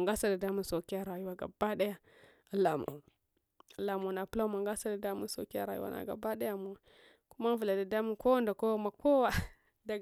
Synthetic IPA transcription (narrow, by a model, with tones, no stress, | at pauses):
a˨ŋɡa˦sa˦da˨da˦mu˦nso˨ki˦a˦ɾa˨ju˦wa˦ɡa̰˨ba˦da˦ja˦ | a˨la˨mo̰˨ | a˨la˨mo˨na˨pu˦la˦ma˨ŋɡa˦sa˦da˨da˦mu˦n˦so̰˨ki˦a̰˦ɾa˨jṵ˦wa̰˨nʔa̰˨ɡa̰˨ba˦da˦ja˦mu˨w | ku˦ma˦vu˨la˨da˨da˦mu˦ko˦wa˦nda˨ko˦ma˨ko˦wa˦ | da˨